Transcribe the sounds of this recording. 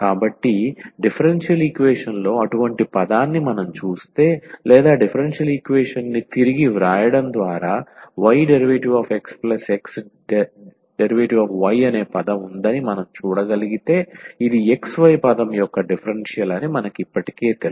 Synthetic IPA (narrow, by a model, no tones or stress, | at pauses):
kaːbɐʈːiɖipʰɐɾenʂjɐlikʋeːʂɐnlo̞ːɐʈuʋɐɳʈipɐd̪aːnːimɐnɐmt͡ʃuːst̪e̞ːlɛːd̪aːɖipʰɐɾenʂjɐlikʋeːʂɐnːit̪iɾiɡiʋɾaːjɐɽɐnd̪ʋaːɾaːʋɐjɖeɾiʋeːʈiʋaːfʰe̞ksplɐseks | ɖeɾiʋeːʈiʋaːfʋɐjɐneːpɐd̪ɐmund̪ɐnimɐnɐmt͡ʃuːɽɐɡɐliɡit̪e̞ːid̪ieksʋɐjpɐd̪ɐmjɔkːɐɖipʰɐɾenʂjɐlɐnimɐnɐkipːɐʈi̥ke̞ːt̪el